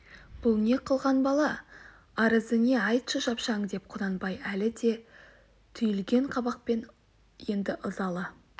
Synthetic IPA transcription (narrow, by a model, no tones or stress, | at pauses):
b̥ʊlˠne̞qʰəlˠʁɑnbɑlˠɑ | ɑɾəzəne̞ɑjt̪ʃəʒɑpʃɑɴd̪e̞p̚qʰʊd̪ɑnbɑjælɪd̪e̞ | t̪ʰʏjɪlɡʲe̞ɴqʰɑbɑq̚pe̞n | je̞nd̪ɪʔʊzɑlˠə